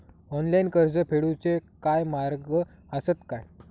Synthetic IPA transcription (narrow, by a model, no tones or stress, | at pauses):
ɔnlainkəɾd͡zəpʰeɽut͡sekajmaɾɡə | əsət̪kaj